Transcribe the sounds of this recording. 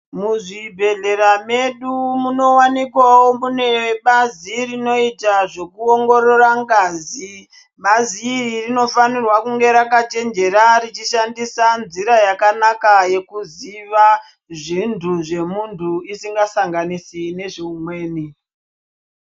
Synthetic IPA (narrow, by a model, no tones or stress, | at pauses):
muʐibʱe̞ɮe̞ɾame̞ɗumuno̞wanikwawomune̞ɓazirino̞itaʐe̞kuoŋɡo̞ɾo̞raŋɡaːzi | ɓaziːririno̞fanirwakuŋɡe̞ɾakat͡ʃe̞nd͡ʒe̞ɾarit͡ʃiʃandisanziɾajakanakaje̞kuziʋa | ʐintʰuʐe̞muntʰuisiŋɡasaŋɡanisine̞ʐiumwe̞ːni